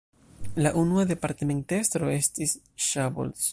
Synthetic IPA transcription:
laʔunuade̞paɾteme̞ntestɾo̞e̞stis | ʃabo̰ls

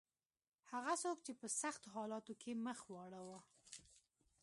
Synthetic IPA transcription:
haɣasok̚t͡ʃepəsaxt̪oɦɑlɑt̪okʰeməxwɑɽawa

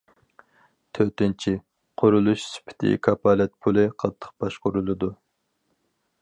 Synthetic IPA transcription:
t̪ʰøt̪ɪnt͡ʃʰi | qʰʊɾulˠuʃsɪ̥pʰɪ̥t̪ʰɪ̰kʰɑpʰɑːlɛt̪̚pʰulˠɨqʰɑt̪ʰːə̥q̚b̥ɑʃqʊɾulˠɨd̪u

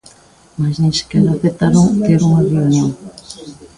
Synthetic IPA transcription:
masnẽse̥keɾaθet̪aɾoŋt̪eɾuŋɐreunjoŋ

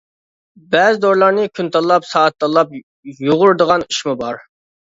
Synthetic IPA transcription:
bɛzɪd̪oɾlˠɑɾnɨkʲʰynt̪ʰɑlˠːɑpsɑːt̪ːɑlˠːɑp̚ | joʁʊɾd̪əʁɑniʃmubɑɾ

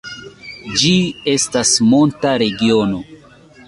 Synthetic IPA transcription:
d͡ʒie̞stasmo̞ntaɾe̞ɡio̞no̞

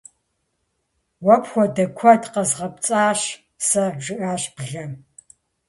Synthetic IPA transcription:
wɐpxʷɔdɐkʷʰɔtqɐzʁɐp̚t͡sʼaːɕ | sɐʒɨʔaːɕbɮɐm

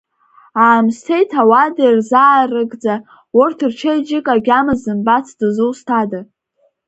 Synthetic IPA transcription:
aːmstʰejtʰawadarzaːrɨɡd͡za | wʊrtʰɨrt͡ʃʰejd͡ʒɪkʼaɡʲamɨzɨmbat͡sʰdɨzɨwstʰada

